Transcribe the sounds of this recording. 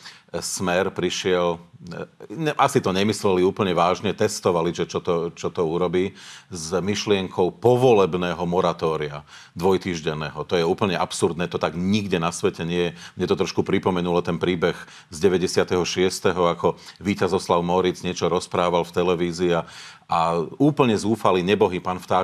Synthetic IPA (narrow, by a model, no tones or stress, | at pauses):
smɛɾpɾiʃɪɛl | ʔasit̪ɔɲɛmislɛliuːpl̩ɲɛʋaːʒɲɛt̪ɛst̪ɔʋaliʒɛt͡ʃɔt̪ɔt͡ʃɔt̪ɔuɾɔbiːzmiʃlɪɛŋkʰɔʊpɔʋɔlɛbnɛːɦɔmɔɾat̪ɔːɾia̰ | d̪ʋɔjt̪iːʒɟɛnːɛːɦɔt̪ɔjɛuːpl̩ɲɛʔapsuɾd̪nɛːt̪ɔt̪aɡɲiɡɟɛnasʋɛcɛɲɪɛjɛmɲɛt̪ɔt̪ɾɔʃkupɾipɔmɛnulɔt̪ɛnpɾiːbɛɣ | zɟɛʋɛɟɛsɪat̪ɛɦɔʃɪɛst̪ɛɦɔakɔʋiːcazɔslaʊmɔɾid͡zɲɪɛt͡ʃɔɾɔspɾaːʋalft̪ɛlɛʋiːzia | auːpl̩ɲɛzuːfaliɲɛbɔɦipaːnft̪aː